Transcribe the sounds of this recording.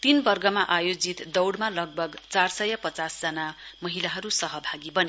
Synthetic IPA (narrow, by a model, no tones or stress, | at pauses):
t̪inbʌrɡʌmaʔajod͡zit̪d̪ʌwɽmalʌɡ̚bʱʌɡt͡sarsʌjʌpʌt͡sasd͡zʌnamʌɦilaɦʌɾusʌɦʌbʱaɡibʌne